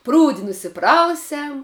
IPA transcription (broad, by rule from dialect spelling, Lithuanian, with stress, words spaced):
ˈpruːdʲɪ nʊsʲɪˈprɐʊsʲɛm